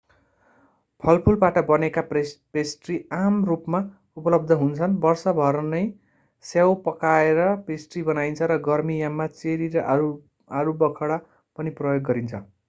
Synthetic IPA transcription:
pʰʌlpʰulbaʈʌbʌnekapesʈriamrupma | upʌlʌb̚d̪ʱʌɦunt͡sʰʌnbʌrsʌbʱʌɾnʌj | sjawpʌkaeɾʌpesʈribʌnajnt͡sʰʌɾʌɡʌrmijamːat͡seɾiɾʌʔu | aɾubʌkʰʌɽa | pʌniprʌjoɡːʌɾint͡sʰʌ̰

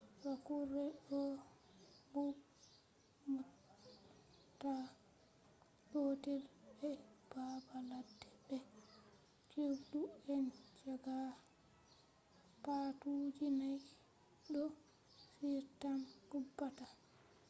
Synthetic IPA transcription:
ɾakurɛɗɔ | bu | mu | ta | ɗotɛlbɛb̥abaladːɛbɛ | t͡ʃewduɛnt͡ʃaɡa | patud͡ʒinaj | ɗɔ | fiɾtamɡ̥ubːata

